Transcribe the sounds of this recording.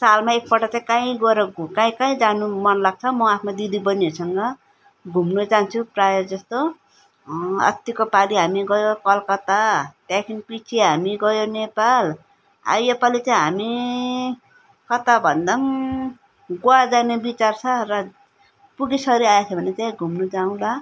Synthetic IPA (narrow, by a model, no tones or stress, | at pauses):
salmaek̚pʌʈat͡saĩkãĩɡʌɾʌɡkãĩkaĩd͡zanumʌnlaɡ̚t͡sʰʌmʌapʰmad̪id̪ibʌniʌsʌŋɡʌ | ɡʱumnot͡saɦnt͡sʰuprajʌd͡zʌst̪o | ʌ̰t̪jikopaliɦamiɡʌjokʌlkʌt̪at̪jakʰinipit͡sʰiɦamiɡʌjonepal | a̰jepalit͡sãĩɦami | kʌt̪abʱʌnd̪ʌŋ | ɡoad͡zanebit͡sart͡sʰʌrʌ | puɡisʌɾiajet͡sʰʌbʱʌnetãɡʱumnud͡zaũla